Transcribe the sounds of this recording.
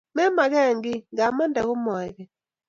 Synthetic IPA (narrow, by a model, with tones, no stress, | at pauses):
mɛ˦ma˨ɣɛ˦˨ŋɡɪ˦ŋɡa˨ma˦nda˨ɣʊ˦mɔ˨ɛ˨ɣɛ˨